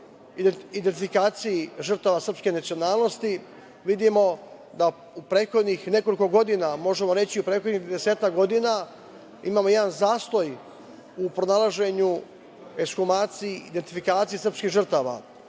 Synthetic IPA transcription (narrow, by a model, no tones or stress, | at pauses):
iid̪ent̪ifikaːt̪sijiʒr̩t̪aʋasr̩pske̞nat̪sio̞naːlˠno̞st̪i | ʋid̪imo̞ | d̪a | upɾeːt̪xo̞d̪nixne̞ko̞liko̞ɡo̞d̪inamo̞ʒemo̞ɾe̞t͡ɕiupɾeːxo̞d̪nid̪ese̞ːt̪akɡo̞d̪ina | imaːmojed̪anzaːst̪o̞j | upɾonalˠaʒe̞ɲu | eskumaːt̪sijiid̪e̞nt̪ifikaːt̪sijesrpskiːɣʒr̩t̪aːʋa̰